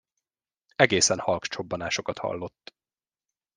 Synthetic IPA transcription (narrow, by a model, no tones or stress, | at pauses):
ɛɡeːsɛnhɒlkt͡ʃo̞bːɒnaːʃo̞kɒt̪hɒ̰lːo̞t̪ː